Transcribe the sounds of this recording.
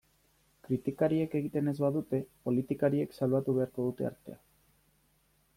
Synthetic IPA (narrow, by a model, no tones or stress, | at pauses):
kɾit̪ikaɾie̞ke̞ɣ̞it̪e̞ne̞zβaðut̪e̞po̞lit̪ikaɾie̞ksalβat̪uβe̞aɾko̞ðut̪e̞̰a̰ɾt̪e̞̰a